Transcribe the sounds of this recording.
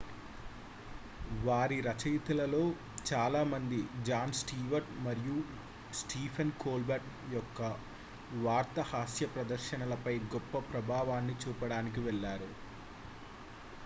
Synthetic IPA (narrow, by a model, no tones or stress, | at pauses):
ʋaːɾiɾɐt͡ʃɐjt̪ɐlɐlo̞ː | t͡ʃaːlaːmɐnd̪id͡ʒaːnsʈiːʋɐɾʈmɐɾiju | sʈiːpʰɐnkoːlbɐɾʈ | jɔkːɐ | ʋaːɾt̪ɐhaːsjɐpɾɐd̪ɐɾʃɐnɐlɐpɐjɡɔpːɐpɾɐbʱaːʋaːnːit͡ʃuːpɐɽaːnik̬iʋɛɭːaːɾu